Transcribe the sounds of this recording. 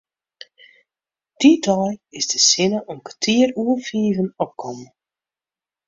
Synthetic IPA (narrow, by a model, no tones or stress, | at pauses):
d̥idɔjɪzdəsɪnəʔɔnkatʰiːruəfiːvənɔp̚kɔmə